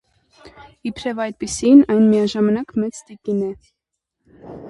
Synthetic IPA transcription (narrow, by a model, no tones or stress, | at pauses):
ipʰɾɛvɑjt̪̚pisinɑjnmijɑʒɑmɑnɑkmɛt͡st̪ik̪inɛ